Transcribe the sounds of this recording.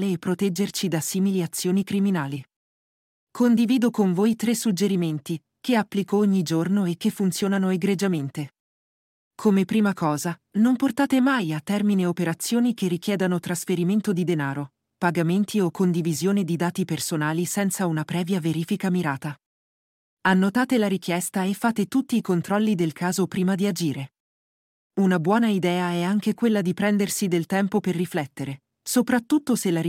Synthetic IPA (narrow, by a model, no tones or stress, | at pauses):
leːpːɾot̪ɛd͡ʒːert͡ʃid̪asiːmiliat̪sːjoːnikɾiminaːli | kʰond̪iviːd̪okoɱvoːjt̪ɾesːud͡ʒeɾiment̪i | keapːlikooɲːid͡ʒornoek̟ːefːunt̪sjoːnanoeɡɾed͡ʒament̪e | kʰomepɾiːmakɔːzanomport̪aːt̪emajat̪ːɛrmineopeɾat̪sːjoːnik̟erːik̟jɛːd̪anot̪ɾasfeɾiment̪od̪id̪enaːɾo | paɡament̪ʰiokːond̪ivizjoːned̪id̪aːt̪ipersonaːlisɛnt̪saunapɾɛːvjaveɾiːfikamiɾaːt̪a | anːot̪aːt̪elaɾik̟jɛst̪aefːaːt̪et̪ut̪ːiːkont̪ɾɔlːid̪elkʰaːzopɾiːmad̪iad͡ʒiːɾe | unabwɔːnaid̪ɛːaɛaŋkekwelːad̪ipɾɛnd̪ersid̪elt̪ɛmpoperːiflɛt̪ːeɾe | sopɾat̪ːut̪ːoselːaɾi